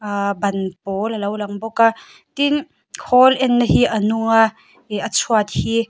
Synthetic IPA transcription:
bɐnpɔːlɐlɐwlɐŋbɔka | t̪in | kʰɔlʔɛnːəhiʔɐnuŋa | at͡sʰuat̪̚hi

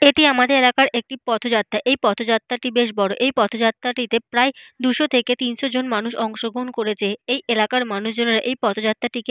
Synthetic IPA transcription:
eʈiamad̪eɾelakaɾʔek̚ʈipɔt̪ʰod͡ʑat̪ːɾaʔejpɔt̪ʰod͡ʑat̪ːɾaʈibeʃbɔɾoʔejpɔt̪ʰod͡ʑat̪ːɾaʈit̪epɾaed̪uʃot̪ʰeket̪inʃod͡ʑonmanuʃɔŋʃoɡonkoɾet͡ɕʰeejelakaɾmanuʃd͡ʑoneɾaʔejpɔt̪ʰod͡ʑat̪ːɾaʈike

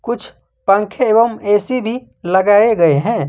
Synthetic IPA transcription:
kʊt͡ʃʰ | pə̃ŋkʰeeːbəmeːsibʱi | ləɡaːeɡəeɦɛ̃

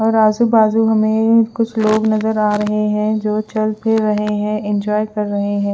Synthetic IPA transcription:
ɔːɾaːzubaːzuɦɐmẽkʊt͡ʃʰloːɡnɐzəɾaːɾɐɦeɦɛ̃d͡ʒoːt͡ʃɐlpeɾɐɦeɦɛ̃ɪ̃nd͡ʒɔːjkɐɾːɐɦeɦɛ̃ː

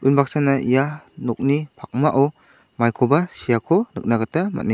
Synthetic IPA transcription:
unbak̚sanaijanɔk̚nipʰak̚maʔɔw | majkʰɔbasijakʰɔnɯ̰k̚naɡatama̰t̚ni

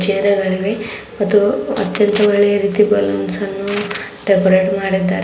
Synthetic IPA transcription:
t͡ʃeːɾɐɡɐɭiʋe | mɐt̪ːuɐ̰t̪jɐnt̪ɐʋɐɭːɛjɐɾiːt̪ibɐlɐnsɐnːu | ɖekoɾeːʈmaːɽit̪ːaːɾ

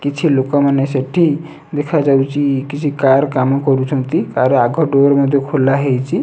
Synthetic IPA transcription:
kit͡ʃʰilokaməneseʈʰi | d̪ekʰad͡ʒawt͡ʃʰikit͡ʃʰikaɾkamẽkɔɾut͡ʃʰɔ̃nt̪ikaɾeaɡʱɔɖoɾməd̪ʱekʰolaɦejt͡ʃʰi

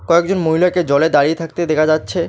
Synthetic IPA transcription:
kɔekd͡ʑonmoɦilaked͡ʑɔled̪aɽiet̪ʰak̚t̪ed̪ɛkʰad͡ʑatːɕʰe

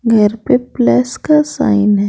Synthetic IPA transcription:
ɡʱɐɾpeplɛːskasa̰ːɪnɦɛ

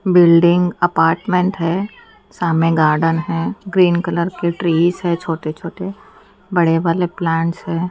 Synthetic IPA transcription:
bɪlɖɪ̃ŋɡɐpaːɾʈmẽɳʈɦɛː | saːmẽɡaːɾɖənɦɛːɡɾiːnkələɾkeʈɾiːsɦɛt͡ʃʰoːʈet͡ʃʰoːʈe | bɐɽeʋaːleplɛ̃ːɳʈsɦɛ̃ː

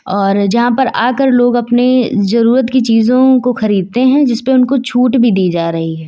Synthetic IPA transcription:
ɔːɾd͡ʒɐɦãpɐɾʔaːkəɾloːɡɐpnezɐɾuːɾət̪kit͡ʃiːzõkoxɐɾiːd̪̚t̪eɦɛ̃d͡ʒɪspeʊnkot͡ʃʰuːʈbʱid̪iːd͡ʒaːɾɐɦiɦɛː

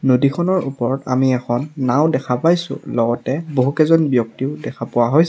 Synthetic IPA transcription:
nodikʰɔnɔɹupɔɹɔta̰miɛxʰɔnːawdɛkʰapajsʊ̰̃lɔɡɔtɛboɦukɛzɔnbjɔk̚tiʊdɛkʰapʊwaɦojs

